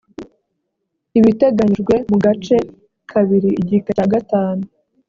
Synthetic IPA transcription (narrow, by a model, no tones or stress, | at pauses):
iβite̞ɡaɲid͡ʒɡwe̞muɡat͡ʃe̞ | kʰaβiɾiiɟikaaɡataːnu